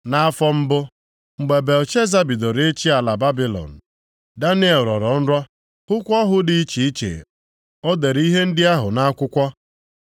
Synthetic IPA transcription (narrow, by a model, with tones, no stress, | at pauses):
na˦a˦fɔ˦m̩˦bʊ˦ | ŋ͡m̩˨ɡ͡be˨be˨ɔ˨t͡ʃe˦za˦bi˨do˨ɾe˦t͡ʃi˦a˨la˨ba˦bi˦lɔ̰˨n̩˨ | da˦n˦e˨ɾɔ˨ɾɔ˨˦n̩˦ɾɔ˦ | hʊ˦kʷɔ˦ɦʊ˦dɪ˨i˦t͡ʃi˨i˦t͡ʃḛ˨ | o˦de˨ɾi˦ɦe˦n̩˦dɪ˦a˦ɦʊ˨na˦kʷʊ˦kʷɔ˦